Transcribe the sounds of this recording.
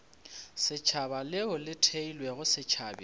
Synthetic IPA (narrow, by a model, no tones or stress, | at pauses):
sɪt͡ʃʰabalɪʊlɪtʰeilwɛɣʊsɪt͡ʃʰaːbɪ̰